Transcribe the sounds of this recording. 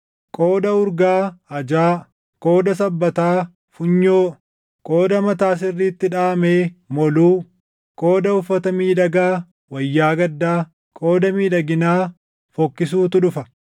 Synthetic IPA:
kʼo̞ːd̪ɐʊɾɡaːɐd͡ʒaː | kʼo̞ːd̪ɐs̬ɐbːɐt̪aː | fʊɲːoː | kʼoːd̪ɐmɐt̪aːs̬ɪrːiːt̪ːɪᶑaːmeːmɔluː | kʼo̞ːd̪ɐʊfːɐt̪ɐmiːᶑɐɡaː | wɐjːaːɡɐd̪ːaː | kʼo̞ːd̪ɐmiːᶑɐɡɪnaː | fɔkːɪs̬uːt̪ʊᶑʊfɐ

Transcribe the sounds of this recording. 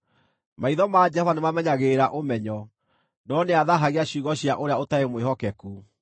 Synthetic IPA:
maiðɔmad͡ʒɛhɔvanemamɛɲaɣeːɾaʔomɛɲɔ | nɔneaðaɦaɣeaɕiːɣɔɕjaʔoɾeaotaemweɦɔkɛku

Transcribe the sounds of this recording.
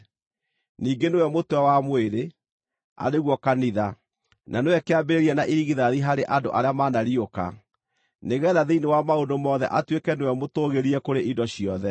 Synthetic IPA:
niːɡenewɛmotwɛwamweɾe | a̰neɣwɔkaniða | nanewɛkeabeɾeɾiɛnaʔiɾiɣiðaðiɦaɾeʔandoʔaɾeamanaɾioka̰ | neɣɛːðaðeinewamaondomɔːðɛ̰ʔatwekɛnewɛmotoɣeɾiɛkoɾeʔidɔɕiɔðɛ

